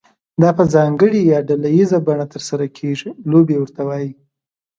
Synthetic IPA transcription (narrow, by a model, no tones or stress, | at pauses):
d̪ɑpəzɑŋɡəɽijɑɖalajizabaɳat̪əɾsaɾakʰeʐilobewəɾt̪awɑji